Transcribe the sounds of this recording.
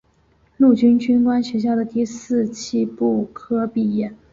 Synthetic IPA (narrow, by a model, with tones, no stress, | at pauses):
lu˥˩t͡ɕy˥nt͡ɕy˥nkwa˥nɕɥɛ˧˥ɕ̬jɑ˥˩ʊd̪ə˩t̪i˥˧sɹ̩˥˧t͡ɕʰi˥pu˥˩kʰɤ˥pi˥˩jɛ˥˩n